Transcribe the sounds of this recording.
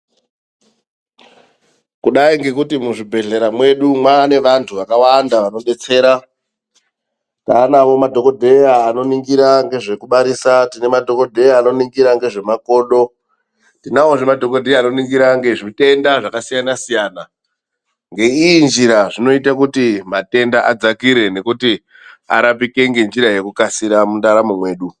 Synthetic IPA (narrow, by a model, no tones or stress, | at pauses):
kuɗaiŋɡe̞kutimuʐibʱe̞ɮe̞ɾamwe̞ɗumwane̞ʋantʰuʋakawandaʋano̞ɗe̞t͡se̞ːɾa | taːnaʋo̞madʱo̞ko̞dʱe̞aːno̞niŋɡiɾaŋɡe̞ʐe̞kuɓaɾisatine̞madʱo̞ko̞dʱe̞jaːno̞niŋɡiɾaŋɡe̞ʐe̞mako̞ːɗo̞ | tinaoʐimadʱo̞ko̞dʱejaːno̞niŋɡiɾaŋɡe̞ʐite̞ndaʐakasijanasijaːna | ŋɡe̞iind͡ʒiɾaʐino̞itakutimate̞ndaʔad͡zakiɾe̞ne̞kuti | a̰ɾap̬ike̞ŋɡe̞nd͡ʒiɾaje̞kukasiɾamundaɾamumwe̞ːɗu